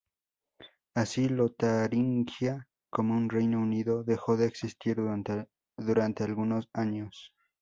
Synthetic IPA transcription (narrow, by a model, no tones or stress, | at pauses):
asilot̪aɾiŋkja | komounre̞jnouniðo̞ðe̞xo̞ðe̞ːksist̪iɾ | ðuɾant̪ealɣunosaɲos